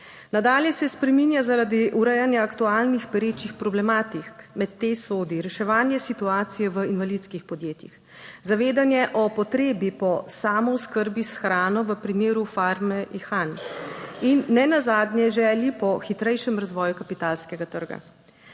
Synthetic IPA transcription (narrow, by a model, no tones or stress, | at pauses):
nad̪aːljɛsɛspɾɛminjazaɾad̪iʔuɾɛjanjaːkt̪uaːlnixpɛɾeːt͡ʃixpɾɔblɛmaːt̪ikmɛt̪ːesoːd̪iɾɛʃɛʋaːnjɛsit̪uaːt̪sijɛʋəinʋalit̪skixpɔd̪jeːt̪jḭx | zaʋeːd̪anjɛʔɔpɔt̪ɾeːbipɔsaːmɔwskəɾbisxɾaːnɔʋəpɾimeːɾufaɾmɛixan | inːɛnazaːd̪njɛʒɛːljipɔxit̪ɾɛjʃɛmɾazʋɔːjukapit̪aːlskɛɡat̪əɾɡa̰